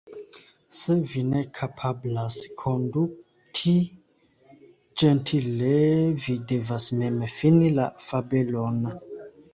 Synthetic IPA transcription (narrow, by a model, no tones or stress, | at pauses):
sevinekʰapʰablaskʰondu | tʰi | d͡ʒentʰilevide̞vasmemfinila̰fabelon